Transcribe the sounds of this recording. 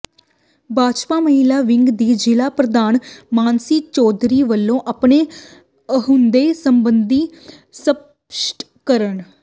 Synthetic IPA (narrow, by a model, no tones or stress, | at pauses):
baːd͡ʒpaːməɦɪlaːʋɪŋɡd̪iːd͡ʒɪlaːpɾəd̪aːnmaːnsiːt͡ʃɔːd̪ɾiːʋəlːõːʔapɳeː | əɦʊnd̪eːsəmbənd̪iː | sə | sʈ | kəɾən